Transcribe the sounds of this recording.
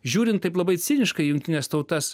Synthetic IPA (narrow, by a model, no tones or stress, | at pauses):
ʒʲuːɾʲɪnt̪ːɐɪplˠɐbɐɪsʲɪnʲɪʃkɐɪjʊŋkʲt̪ʲɪnʲɛst̪ɐʊt̪ɐs